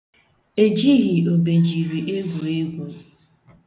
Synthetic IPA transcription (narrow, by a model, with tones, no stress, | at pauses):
e˨d͡ʒi˦ɣi˨o˨be˨d͡ʒi˨ɾi˨ʔe˦ɡʷo˨e˦ɡʷo˨